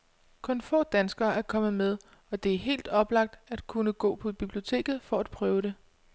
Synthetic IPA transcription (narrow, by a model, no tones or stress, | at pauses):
kʰɔ̽nfɔ̰̽ːd̥ænsɡ̥ɐæɐkʰɒ̽mð̩ˠmeð̞ˠ | ɒ̽d̥e̝æɐɦe̝̰ːld̥ɒ̽b̥lɑ̈ɡ̥̚d̥æd̥̚kʰunəɡ̥ɔ̰̽ːpʰɒ̽b̥ib̥lio̝t͡sʰe̝̰ːɡ̥ð̞̩ˠfɒ̽æd̥̚pʰʁœːʊɾ̥e̝